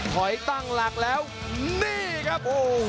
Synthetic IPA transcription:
hɔ˨˩˦jt̪a˧ŋlaː˨˩k̚lɛ˨˧˦w | mi˦kaː˦˥po˧

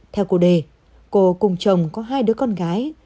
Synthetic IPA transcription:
t̪ʰɛ˧wku˧˩ɗe˨˩ | ko˧˩kʊ˨˩ŋ͡mt͡ɕə˨˩wŋ͡mkɔ˨˦ɦaː˧jɗɨ˨˦əkɔ˧nɣaː˨˦j

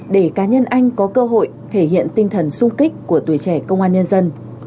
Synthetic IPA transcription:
ɗe˧˩kaː˨˦ɲə˧nʔa˧jŋ̟kɔ˨˦kəː˧ɦo̰˧˨jt̪ʰe˧˩ɦḭ˧˨ənt̪ï˧ŋ̟t̪ʰə˨˩nsʊ˧ŋ͡mki˦˥k̟̚ku˧˩ət̪u˨˩əjt͡ɕɛ˧˩kə̰˧wŋ͡mʔaː˧nɲə˧nzə˧n

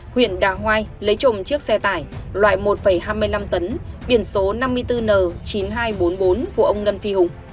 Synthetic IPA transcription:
hwḭ˧˨ənɗaː˧˩ɦwaː˧jlə˨˦jt͡ɕo̰˧˨mt͡ɕɨ˦˥ək̚sɛ˧t̪aː˧˩jlwa̰ː˧˨jmo˨˩t̚fə˧˩jɦaː˧jmɨ˧əjla˧mt̪ə˨˦nɓi˧˩ənso˨˦na˧mːɨ˧əjt̪ɨ˧nəː˨˩t͡ɕi˨˦nɦaː˧jɓo˨˦nɓo˨˦nku˧˩əʔə˧wŋ͡mŋə˧nfi˧hʊ˨˩ŋ͡m

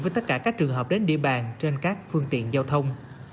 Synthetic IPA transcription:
vəː˨˦jt̪ə˦˥t̚kaː˧˩kaː˦˥k̚t͡ɕɨ˨˩əŋɦəː˨˩p̚ɗe˨˦nɗḭ˧əɓaː˨˩nt͡ɕe˧nkaː˦˥k̚fɨ˧əŋt̪ḭ˧˨ənzaː˧wt̪ʰə˧wŋ͡m

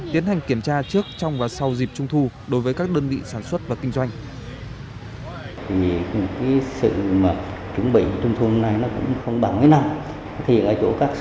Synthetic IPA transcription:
t̪i˨˦ənha˨˩ŋ̟ki˧˩əmt͡ɕaː˧t͡ɕɨ˦˥ək̚t͡ɕɔ˧wŋ͡mvaː˨˩sa˧wzi˨˩p̚t͡ɕʊ˧ŋ͡mt̪ʰu˧ | ɗo˨˦jvəː˨˦kaː˦˥k̚ɗəː˧nvḭ˧˨saː˧˩nswə˦˥t̚vaː˨˩kï˧ŋ̟zwa˧jŋ̟ | t̪ʰi˨˩ɨ˧˩˦kaː˨˦jsɨ̰˧˨maː˨˩t͡ɕʊ˨˦ŋ͡mɓḭ˧˨˩t͡ɕʊ˧ŋ͡mt̪ʰu˧na˧jnɔ˨˦kʊ̰˧˥ŋ͡mxə˧wŋ͡mɓaː˧˩wmə˨˦na˧m˨˦ | t̪ʰə̰˧˨˧kəː˧t͡ɕo̰˧˥kaː˦˥k̚

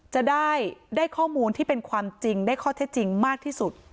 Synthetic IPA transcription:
t͡ɕa˨˩ʔdaː˥˩jdaː˥˩jkʰɔː˥˩muː˧nt̪ʰiː˥˩pe˧nkʰwaː˧mt͡ɕi˧ŋdaː˥˩jkʰɔː˥˩t̪ʰe˦˥t̪̚t͡ɕi˧ŋmaː˥˩k̚t̪ʰiː˥˩su˨˩t̪̚

